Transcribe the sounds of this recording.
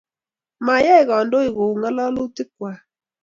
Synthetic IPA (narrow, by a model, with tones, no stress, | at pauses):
ma˨jɛ˦˨ɣɔ˨ndo˦ɪ˨ɣo˨ŋa˦lɔ˦lo˦tɪ˦k̚wa˨